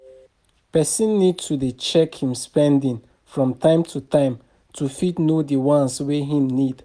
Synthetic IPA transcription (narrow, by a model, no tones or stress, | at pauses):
pɛsĩnːid̚tʰudit͡ʃɛkhĩmspɛ̃ndĩn | fɹɔ̃mtãɪ̃mtʰutãɪ̃m | tʰufidnodiwãnsweɦĩmnid